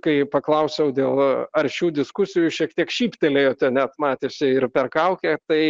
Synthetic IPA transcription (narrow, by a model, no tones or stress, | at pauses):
kɐɪpɐklˠɐʊsʲɛʊd̪ʲeːlˠɐɾʲʃʲuːd̪ʲɪskʊsʲɪjʊʃʲiɛkt̪ʲiɛkʃʲiːpʲt̪ʲelʲeːjoːt̪ʲɛnʲɛt̪mɑːt̪ʲeːsʲɪɪɾpʲɛrkɐʊkʲeːt̪ɐɪ